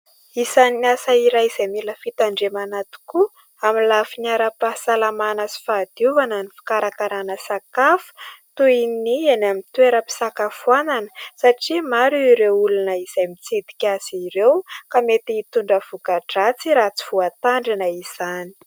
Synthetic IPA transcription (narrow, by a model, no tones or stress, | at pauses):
izaninasaiɾajiz̥ajmiləfit̪aɳɖ͡ʐemanat̪i̥ku | amilafinaɾapasalamanasi̥fad̪̥uvanənifi̥kaɾakaɾanəsakafu̥t̪uinienamint̪weɾəpi̥sakafuananə̥saʈ͡ʂimaɾuiɾeulunəiz̥ajmit͡sid̪i̥kʲaz̥iɾewkamet̪iit̪uɳɖ͡ʐəv̥ukaʈ͡ʂat͡siɾat͡si̥v̥uat̪aɳɖ͡ʐinəiz̥ani̥